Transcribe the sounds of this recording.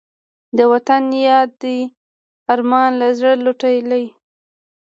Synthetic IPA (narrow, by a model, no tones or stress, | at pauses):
d̪əwat̪anjɑd̪ːi | aɾmɑnlazɽəloʈajlaj